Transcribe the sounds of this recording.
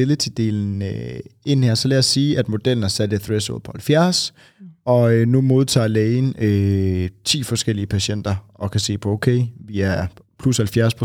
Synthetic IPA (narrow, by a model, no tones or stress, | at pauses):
elət͡sʰid̥e̝̰ln̩øe̝n̰hæɐ̰sɒ̽lææsiːʔæd̥mo̝d̥el̰n̩æsæd̥əθʁeso̰ːlˠpʰɒ̽hælfjæɐs | ɒ̽ønumo̝ð̞ˠt͡sʰɑ̰̈ːlɛɪnøt͡sʰḭːfɒ̽sɡ̥el̰iəpʰæɕen̰d̥ɐɒ̽kʰæse̝̰ːpʰɒ̽oʊkʰeɪʋiæɐpʰlushælfjæɐspʰʁo